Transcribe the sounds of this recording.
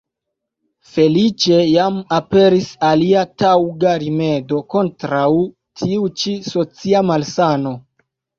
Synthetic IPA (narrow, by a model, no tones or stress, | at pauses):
fe̞lit͡ʃe̞jamape̞ɾisaliatawɡaɾime̞do̞ko̞ntɾaw | tʰiut͡ʃiso̞t͡siamalsano̞